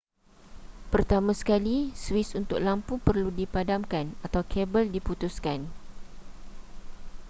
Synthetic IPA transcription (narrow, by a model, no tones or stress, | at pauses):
pərt̪amãsə̥kaliswisunt̪ʊ̰k̚lampupərludipadamkanat̪awkʰɛbəldiput̪uskan